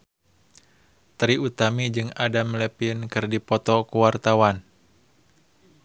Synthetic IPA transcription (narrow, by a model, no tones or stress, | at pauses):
t̪ɾiut̪amid͡ʒɨŋadamlɛpinkɨrdipɔt̪ɔkuwart̪awan